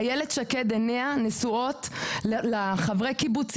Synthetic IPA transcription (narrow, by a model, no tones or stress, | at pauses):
jeledʃaked̪eneanesuo̞tllaχavʁekibut͡s